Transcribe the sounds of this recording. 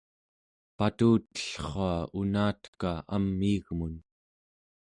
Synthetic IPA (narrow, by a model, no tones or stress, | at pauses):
pat̪uːt̪ːə̥ɬχoaunaːt̪kaa̰mːiːɣmun